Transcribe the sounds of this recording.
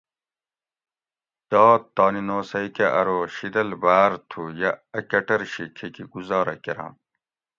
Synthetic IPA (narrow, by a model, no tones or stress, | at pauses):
d̪̥ɑːt̪ːɑːninoːsɐikeʔɐɾoːɕid̪ɐlbaːɾt̪ʰujaɐkɐʈɐɾɕikʰekiɡuzɑːɾɐ̰keɾã̰ː